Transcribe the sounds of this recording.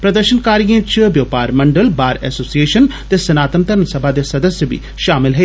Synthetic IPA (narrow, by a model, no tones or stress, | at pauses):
pɾəd̪əɾʃənkaːɾijãːt͡ʃbjəːpaːɾməɳɖəlbaːɾɛ̰ːsoːsieːʃənt̪eːsɐnaːt̪əmt̪əɾənsəbʱaːd̪eːsɐd̪əsjəbḭː | ʃaːmɪlɦɛː